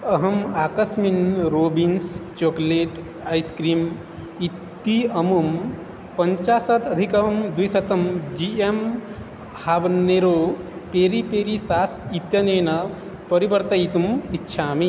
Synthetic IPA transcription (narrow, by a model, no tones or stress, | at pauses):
ɐɦɐmaːkɐsminɾoːbinst͡ʃoːkleːʈ | aːjskɾiːm | it̪ːiɐmum | pɐɲt͡ʃaːsɐt̪ɐd̪ʱikɐmd̪ujsɐt̪ɐmd͡ʒiem | habneɾopeːɾipeːɾisaːsit̪jɐneːnɐ | pɐɾibɐɾt̪ɐit̪umitːʃʰaːmi